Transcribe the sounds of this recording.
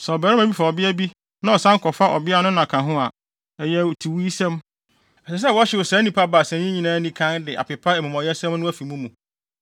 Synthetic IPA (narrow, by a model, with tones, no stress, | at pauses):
sɛ˨ɔ˨bɛ˨ɾɛ˦mæ̃˨bi˦fa˨ɔ˨bɪ˦æ˦bi˦ | nã˦ɔ˨sã˦ŋ̩˦kʰɔ˨fa˦ʔɔ̰˨bɪ˦a˦nʊ̃˦nã˨kʰã˨ɦʊ̃˦a˨ | ɛ˨jɛ˦˨tʰi˨wi˦i˦sɛ̃˦m | ɛ˨sɛ˨s̬ɛ˦˨wɔ˦ɕɪ˨wʊ˨sɛ̃˨˦nĩ˦pʰa˦ba˨sɛ̃˨ɲĩ˦ɲĩ˨nãː˦nĩ˦kʰã˦ndɪ˨ʔa̰˨pɪ˨pʰa˦ɛ˨mũ˨mɔ̃˨jɛ˦sɛ̃˦mnʊ̃˦æ˦fi˨mũ˦mũ˨